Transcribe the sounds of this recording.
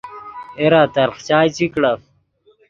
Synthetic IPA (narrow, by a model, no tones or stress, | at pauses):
eɾaːt̪ɐɾχt͡ɕaːjt͡ɕikɽaf